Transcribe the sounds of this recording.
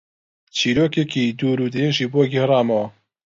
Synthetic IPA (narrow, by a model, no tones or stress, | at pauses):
t͡ʃʰiːɾoːkekid̪uːɾud̪ɨjenʒiːboɡihɨrɑːmɐwɐ